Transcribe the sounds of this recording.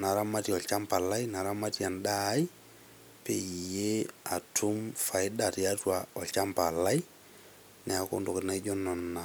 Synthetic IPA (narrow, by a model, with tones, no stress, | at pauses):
na˨ɾa˦ma˦ti˨ɔ˨lt͡ʃa˦mpa˨la˦jna˨ɾa˦ma˦ti˦a˨nda˦i˦ | pe˨ije˦a̰˨tʰʊ˦mfa˨i˦da˨tja˦twaɔ˨lt͡ʃa˦mpa˨la˦i | nɛ˨a˨ko̰˦ndo˨kna˦d͡ʒɔ˦nɔ˨nːa˨